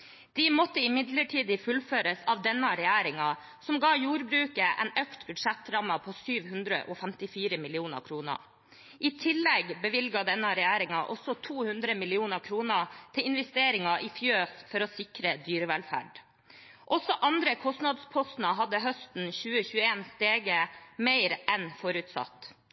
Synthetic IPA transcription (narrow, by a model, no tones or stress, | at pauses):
d̪̥iːmɔt̪ːəɪmɪd̪ləʈʰiːd̪ɪfʉlføːɾəsɑʋd̪ɛnːɑɾɛjæːɾɪŋɑ | sɔmɡɑːjuːɾbɾʉːkəʔɛ̰nœkt̪bʉd̪ʂɛt̪ːɾɑməpʰoːsyːʋhʉnd̪ɾə̰ʔoːfɛmt̪ɪfiːɾəmɪlɪuːnə̰ɾkʰɾuːnə̰ | ʔɪt̪ʰɪlːɛɡbəʋɪlɡɑd̪ɛnːɑɾɛjæːɾɪŋɑʔɔsɔt̪ʰuːhʉnd̪ɾəmɪlɪuːnəɾkʰɾuːnət̪ʰɪlɪnʋɛst̪eːɾɪŋɑʔɪfjøːsfɔɾɔːsɪkɾəd̪yːɾəʋɛlfæ̰ːɖ | ʔɔsɔʔɑnd̪ɾəkʰɔst̪nɑd̪spʰɔst̪n̩əɦɑd̪ːəɦœst̪n̩çʉːəçʉːəeːnst̪eːɡəmeɪɾʔɛnfɔɾʉt̪sɑ̰t̪ː